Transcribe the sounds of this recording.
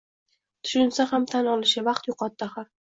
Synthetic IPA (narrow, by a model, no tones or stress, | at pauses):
t̪ʰʊ̥ʃʊnsahamt̪ʰanɒlɪʃavɑqt̪jʊqʰɒt̪ːahaɾ